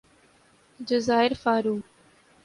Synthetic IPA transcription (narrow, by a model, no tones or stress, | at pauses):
d͡ʒəzaːɪɾfaːɾuː